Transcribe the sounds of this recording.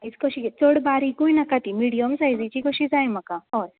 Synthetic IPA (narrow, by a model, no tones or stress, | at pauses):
it͡skoɕit͡soɽbaɾikuinakat̪imiɽijəmsajd͡zit͡ɕikoɕid͡zajm̤əkaɦo